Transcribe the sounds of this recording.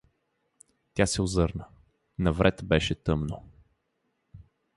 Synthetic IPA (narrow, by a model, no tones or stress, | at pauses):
t̪ʲjasɛʊzɤɾnə | nɐvɾʔɛt̪bɛʃɛt̪ɤmno